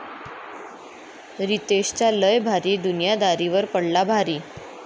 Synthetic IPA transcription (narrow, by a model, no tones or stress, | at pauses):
ɾit̪eɕt͡ɕaləjbʱaɾiːd̪unijad̪aɾiʋəɾpəɽlabʱaɾiː